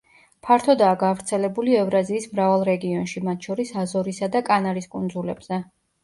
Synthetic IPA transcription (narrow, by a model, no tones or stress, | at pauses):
pʰaɾt̪ʰɔd̪aːɡavɾt̪sʰɛlɛbuliɛvɾaziːsmɾavalˠɾɛɡiɔnʃimat̪ʰʃɔɾisazɔɾisad̪akʼanaɾiskʼund̪zulɛ̰bz̥ɛ